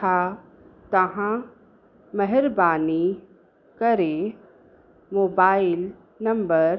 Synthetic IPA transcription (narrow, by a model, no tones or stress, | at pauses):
a | t̪ɐɦã | mɛɦɪɾbaːni | kɐɾe | moːbaːɪl | nɐ̃mbəɾ